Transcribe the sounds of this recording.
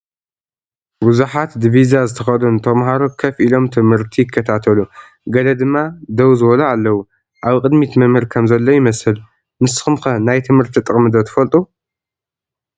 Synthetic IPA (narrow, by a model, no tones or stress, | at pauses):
buzuħat̪d̪ivizazɨt̪ʰɐxɐd̪unt̪ʰɐmɦaɾokʰɐfʔilo̞mt̪ʰɨmhɨɾt̪ʰijɪkʰːɐt̪ʰat̪ʰɐlu | ɡɐlɐd̪ɨmːad̪ɐwzɨwɐlɐalːɐwu | ʔaβkʼɨd̪mit̪mɐmɨɾkʰɐmzɐlːo̞jɪmɐsɨl | mɨsɨ̥xɨmxɐnajt̪ʰɨmhɨɾt̪ʰit̪ʼɨχʼmɨd̪ot̪ʰɐ̥fɐlt̪ʼu